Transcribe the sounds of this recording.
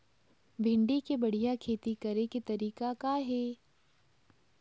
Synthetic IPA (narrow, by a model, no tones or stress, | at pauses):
bʱɪ̃ɳɖikebɐɽ̤ijakʰeːt̪ikɐɾeket̪ɐɾiːkakaɦeː